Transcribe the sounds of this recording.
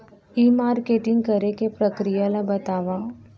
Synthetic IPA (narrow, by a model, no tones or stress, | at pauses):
imaːɾkeːʈɪ̃ŋɡkɐɾekepɾəkɾijalabɐt̪aːʋa